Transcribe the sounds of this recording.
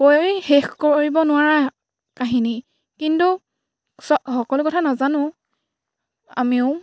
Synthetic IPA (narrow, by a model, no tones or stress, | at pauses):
kojjhexkoɹibɔnʊwaɹa | kaɦini | kintu | sɔxɔkɔlʊkɔtʰanazanʊ̃ | a̰miʊ